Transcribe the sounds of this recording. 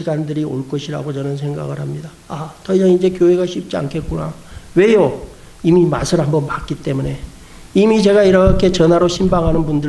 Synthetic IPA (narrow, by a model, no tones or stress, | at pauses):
iɡandɯɾio̰ɭk͈ʌɕʰiɾa̰ɡot͡ɕʌnɯns̬ʰe̞ŋɡa̰ɡɯɭɦhamɲida | atʌisʰʌŋind͡ʑe̞kjoɦe̞ɡaɕʰip̚t͡ɕ͈ia̰nkʰe̞t̚k͈unawe̞jo | imima̰sʰɯɭhambʌnpak͈it͈e̞mune̞ | imit͡ɕe̞ɡaiɾʌkʰe̞t͡ɕʌnaɾoɕʰimbaŋɦanɯnbundɯ